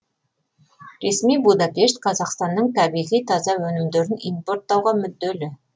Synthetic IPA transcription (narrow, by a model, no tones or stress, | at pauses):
ɾe̞smijbud̪ɑpe̞ʃt̪qʰɑzɑqst̪ɑnːəɴt̪ʰæbijʁijt̪ʰɑzɑwɵnɪmd̪eɾɪnijmpo̞ɾt̪ːɑwʁɑmʏd̪ːelɪ